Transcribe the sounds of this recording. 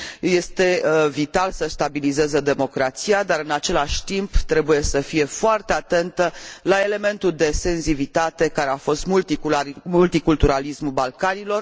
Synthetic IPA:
je̞st̪e̞vit̪alsəst̪abilize̞zəd̪e̞mo̞kɾat̪sijad̪aɾɨnat͡ʃe̞laʃʲt̪imbt̪ɾe̞buje̞səfije̞foart̪e̞at̪e̞nt̪əlae̞le̞me̞nt̪uld̪e̞se̞nzivit̪at̪e̞kaɾe̞afo̞st̪mult̪imult̪ikult̪uɾalismubalkanilo̞r

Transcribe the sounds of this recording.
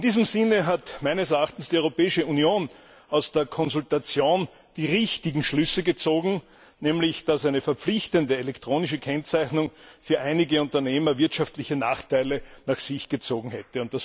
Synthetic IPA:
ɪnd̥iːzəmzɪnəɦatmæɪnəsɛɐaχtn̩sd̥iɔʏʁopɛːɪʃəunjoːn | ɑʊsd̥eːɐkʰɔnzʊltat͡sjoːn | d̥iːʁɪçtɪɡŋ̩ʃlʏsəɡət͡soːɡŋ̩ | nɛːmlɪçd̥asæɪnəfɛɐpp͡flɪçtəndəelɛktʁ̥oːnɪʃəkʰɛnt͡sæɪçnʊŋfyːɐʔaɪnɪɡəʊ̃ntɐneːmɐvɪɐtʃaftlɪçəna̰ːχtaɪlənaχsɪçɡ̥ət͡soːɡŋ̩hɛtəʊnt̚d̥as

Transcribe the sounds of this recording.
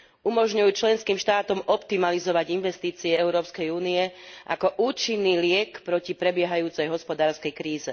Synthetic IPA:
umɔʒɲujuːt͡ʃlɛnskiːmʃt̪aːt̪ɔmɔpt̪imalizɔʋaɟinʋɛst̪iːt͡siɛɛʊɾɔːpskɛjuːniɛʔa̰kɔʔuːt͡ʃinːiːlɪɛkpɾɔcipɾɛbɪɛɦajuːt͡sɛjɦɔspɔd̪aːɾskɛjkɾiːzɛ

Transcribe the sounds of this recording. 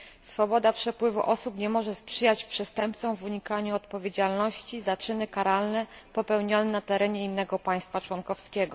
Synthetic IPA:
sfɔbɔd̪apʂɛpwɘvuʔɔsupɲɛmɔʐɛspʂɘjat͡ɕpʂɛst̪ɛmp̚t̪sɔ̃w̃vuɲikaɲuɔt̪̚pɔvʲjed͡ʑalnɔɕt͡ɕizat͡ʂɘnɘkaɾalnɛpɔpɛwɲɔnɛnat̪ɛɾɛɲɛinːɛɡɔpaj̃st̪fat͡ʂwɔnkɔfskʲɛɡɔ

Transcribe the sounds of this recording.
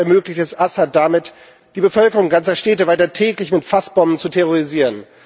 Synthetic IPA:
ɛɐmøːklɪçtɛsʔasat̚d̥amɪt | d̥iːbəfœlkəʁʊŋɡant͡sɐʃtɛːtəvaɪtɐtʰɛːklɪçmɪtfasb̥ɔmən̩t͡sutʰɛʁoʁiziːʁən

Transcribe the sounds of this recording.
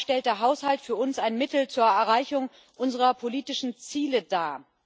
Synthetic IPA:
ʃtɛlt̚d̥eːɐɦaʊshaltfyːɐʊnsaɪnmɪtl̩t͡suːɐɛɐʁaɪçʊŋ | ʔʊnzəʁɐpʰoliːtɪʃn̩t͡siːlədaː

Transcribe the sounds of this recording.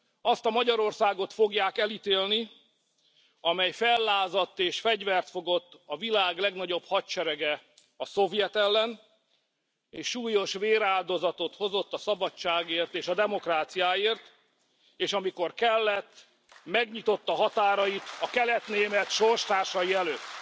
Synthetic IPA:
ɒst̪ɒmɒɟɒɾo̞rsaːɡo̞t̪fo̞ɡjaːkɛlit̪eːlni | ɒmɛjfɛlːaːzɒt̪ːeːʃfɛɟvɛrt̪fo̞ɡo̞t̪ːɒvilaːɡlɛɡnɒɟo̞bhɒtt͡ʃɛɾɛɡɛ | ɒso̞vijɛt̪ɛlːɛn | eːʃːuːjo̞ʃveːɾaːld̪o̞zɒt̪o̞t̪ho̞zo̞t̪ːɒsɒbɒt͡ʃːaːɡeːrt̪eːʃɒd̪ɛmo̞kraːt̪sijaːeːrt̪ | eːʃɒmiko̞rkɛlːɛt̪ː | mɛɡɲit̪o̞t̪ːɒɦɒt̪aːɾɒjit̪ɒkɛlɛt̪neːmɛt̪ʃorʃt̪aːʃɒjiɛløːt̪ː

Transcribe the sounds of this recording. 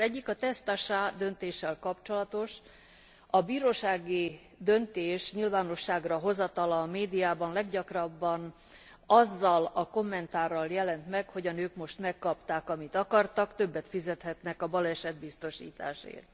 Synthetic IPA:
zɛɟːikɒt̪ɛst̪aʃaːd̪ø̞nt̪eːʃːɛlkɒpt͡ʃo̞lɒt̪o̞ʃ | ɒbiːɾoːʃaːɡi | d̪ø̞nt̪eːʃɲilvaːno̞ʃːaːɡrɒɦo̞zɒt̪ɒlɒːmeːd̪ijaːbɒnlɛɡɟɒkrɒbːɒn | ɒzːɒlɒko̞mːɛnt̪aːrːɒljɛlɛnt̪mɛkho̞ɟɒnøːkmo̞ʃt̪mɛkːɒpt̪aːkɒmit̪ɒkɒrt̪ɒkt̪ø̞bːɛt̪fizɛt̪hɛt̪nɛkɒbɒlɛʃɛd̪bist̪o̞ʃḭːt̪a̰ːʃḛːrt̪

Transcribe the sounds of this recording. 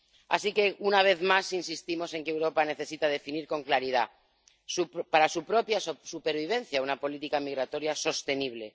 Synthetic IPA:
a̰sike̞unaβ̞e̞θmasinsist̪imo̞se̞ŋkewɾo̞pane̞θe̞sit̪aðe̞finiɾko̞ŋklaɾið̞a̰ | suppaɾasupɾo̞pjassupe̞ɾβ̞iβ̞e̞nθjaunapo̞lit̪ikamiɣɾat̪o̞ɾjaso̞st̪e̞niβ̞le̞

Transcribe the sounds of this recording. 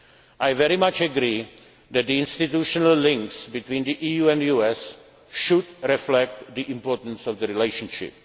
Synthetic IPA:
ʔajvɛɾɪmat͡ʃəɡɾiː | d̪ɛt̪̚diɪ̃nstɪt̪juʃɔnəllɪ̃ŋksbɪt̪wĩːndiʔiːjuːɛ̃ndjuːɛs | ʃʊdɾɛflɛk̚t̪d̪iʔɪ̃mpoɹtə̃n̩sɔvd̪əɾileɪʃə̃nʃɪ̰p̚

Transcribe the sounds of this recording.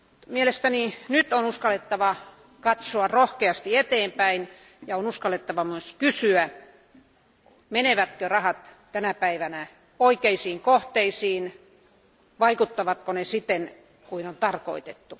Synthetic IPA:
mielest̪æninyt̪onuskɑlːet̪ːɑʋɑ | kɑt̪soɑrohkeɑst̪iet̪eːmpæin | jɑonuskɑlːet̪ːɑʋɑmyøskysyæ | meneʋæt̪kørɑhɑt̪ | t̪ænæpæiʋænæ | oikeisiːŋkoht̪eisiːn | ʋɑikut̪ːɑʋɑt̪konesit̪ːen | kuinont̪ɑrko̰it̪et̪ːu

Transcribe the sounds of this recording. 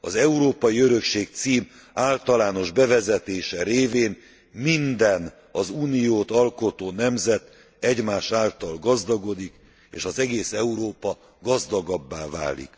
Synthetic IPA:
ɒzɛuɾoːpɒjiøɾøkʃeːk̚t̪siːm | aːlt̪ɒlaːno̞ʒbɛvɛzɛt̪eːʃɛɾeːveːn | mind̪ɛn | ɒzuːnijoːt̪ɒlko̞t̪oːnɛmzɛt̪ | ɛɟmaːʃaːlt̪ɒlɡɒzd̪ɒɡo̞d̪ik | ḛːʃɒzɛɡeːsɛuɾoːpɒ | ɡɒzd̪ɒɡɒbːaːva̰ːlḭk

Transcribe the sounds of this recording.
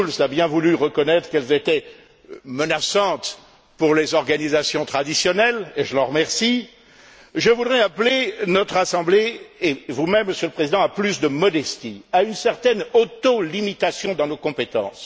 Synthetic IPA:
lslabjɛ̃vulyʁəkɔnɛt̪χkɛlzet̪ɛ | mənasɑ̃t̪ | puʁlezɔʁɡanizasjɔ̃t̪χad̪isjɔnɛleʒəlɑ̃ʁəmɛʁsi | ʒəvud̪ʁɛaplenɔt̪χasɑ̃bleː | vumɛmːəsjøləpχezid̪ɑ̃aplysd̪əmɔd̪ɛst̪iaynsɛʁt̪ɛnot̪olimit̪asjɔ̃d̪ɑ̃nokɔ̃pet̪ɑ̰̃s

